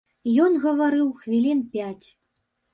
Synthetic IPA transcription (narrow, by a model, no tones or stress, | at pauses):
jɔnɣɐvaɾɨwxvʲilʲinpʲat͡sʲ